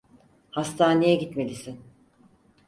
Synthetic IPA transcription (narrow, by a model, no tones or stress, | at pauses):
hast̪ʰaːne̞jɛɟit̪me̞lʲisin